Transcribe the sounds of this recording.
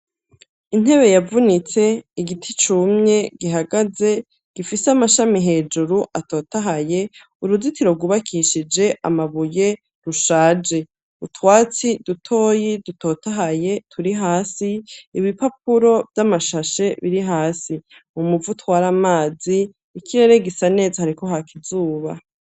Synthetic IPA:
in̥he̞βe̞javunit͡se̞iɡitʰit͡ʃumɲe̞ɡiɦaɡaze̞ | ɡ̥ifiseamaʃamiɦe̞ːd͡ʒuɾuʔato̞ːtaɦaje̞ | uɾuzitiɾo̞ɡuβakʰiʃid͡ʒe̞ʔa̰maβuje̞ | ɾuʃaːd͡ʒe̞ | utʰwaːt͡sidutʰo̞ːjiduto̞ːtaɦaje̞tʰuɾiɦaːsiiβipap̚uɾo̞vjamaʃaʃe̞βiɾiɦaːsimumuvutwaːɾamaːziː | kʰiɾe̞ɾe̞ɡisane̞ːzahaɾiko̞hakizuːβa̰

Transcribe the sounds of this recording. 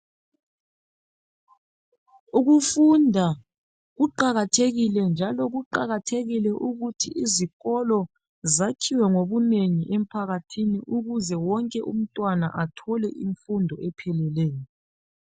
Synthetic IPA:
uɣufundʱa | ɣuǃaɣatʰeɣilɛnd͡ʒʱalɔɣuǃaɣatʰeɣilɛʔuɣutʰḭʔiziɣɔlɔ | zakʰiwɛŋoβuneŋiʔem̩pʰaɣatʰiniʔuɣuzɛwɔŋkʼɛʔum̩tʼwana̰ʔatʰɔlɛʔiɱfundʱɔʔɛpʰɛlɛleːjɔ

